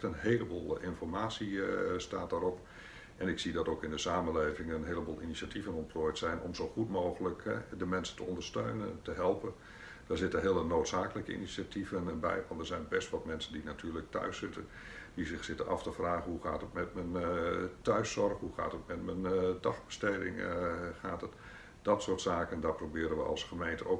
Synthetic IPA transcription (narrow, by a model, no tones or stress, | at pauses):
tənɦeːləbolˠɪnfɔrmaːsista̰ːt̚daːɾɔp | ʔɛnɪksidɑtowkɪndəsaːmənleːvɪŋənɦeələboːlˠinisatʰivənɔntpʰloːjtsɛjnʔɔ̰mzoːxutmoːɣələkɛdəmɛnsə̥ntəɔndərstø̰ːnə̰ntəɦɛlˠpən | d̥aːɹzɪtənɦɪələnoːtsaːkələkəḭnisativənbɛ̰jʋɑntdərzɛjnbɛstʋɔtmɛnsəndinatʰyːlək̚tœ̰ɥsɪtən | dizɪxsɪtənʔɑ̰ftəfraːɣənɦuχa̰ːtətmɛtməntœɥsɔrχɦuxa̰ːtətmɛtməndɑχbəstejdɪ̰ŋχaːtət | d̥ɔtsoːtsaːkəndaːprobɪːɾənʋə̰ɑ̰lˠsχəmejntəo